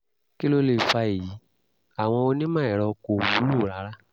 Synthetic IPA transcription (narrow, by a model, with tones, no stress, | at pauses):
ki˦lo˧le˧˨fa˧e˨ji˨˦ | a˨w̃ɔ̃˧o˧nĩ˦mãː˦˨ɛ˨ɾɔ˧ko˧˨wu˨˦lu˦˨˦ɾa˨˦ɾa˦